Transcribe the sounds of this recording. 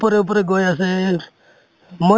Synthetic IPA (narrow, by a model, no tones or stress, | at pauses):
pɾeup̬ɾeɡoːjase | mə